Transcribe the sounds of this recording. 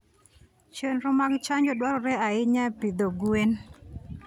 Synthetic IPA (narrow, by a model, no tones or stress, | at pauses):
t͡ʃenɾʊmaɡt͡ʃaɲd͡ʒɔdwaɾɔɾɛaɪɲapid̪oɡuen